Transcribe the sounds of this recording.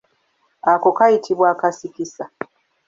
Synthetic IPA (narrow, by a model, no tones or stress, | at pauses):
ako̞kajitʰiβwaːkasikisa